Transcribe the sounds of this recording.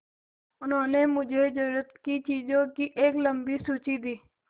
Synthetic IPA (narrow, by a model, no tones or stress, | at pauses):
ʊnõːnemʊd͡ʒʱed͡ʒəɾuːɾət̪kit͡ʃiːd͡ʒõkiʔeːkləmbisuːt͡ʃid̪iː